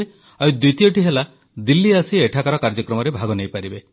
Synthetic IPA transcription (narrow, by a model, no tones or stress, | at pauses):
e | ajd̪ut̪ijɔʈiɦela | d̪ilːiasieʈʰakaɾɔkaɾd͡ʒɔkɾɔmɔɾebʱaɡɔnejpaɾibe